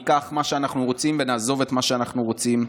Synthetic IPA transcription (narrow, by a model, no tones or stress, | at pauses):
kaχmaʃeanaχnuʁo̞t͡simvenaːzo̞vet̪maʃeanaχnuʁo̞t͡sim